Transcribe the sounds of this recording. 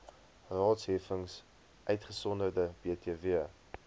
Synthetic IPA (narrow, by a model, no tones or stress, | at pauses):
rɑːtsɦɛfəŋs | ʔœɥtχəsɔndərdəbeətiəviə